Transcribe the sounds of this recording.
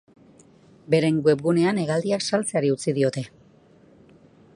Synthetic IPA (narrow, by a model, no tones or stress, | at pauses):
be̞ɾe̞ŋɡwe̞p̚ɣune̞ane̞ɣ̞ald̪iaksalt͡seaɾiut͡sið̞io̞t̪e̞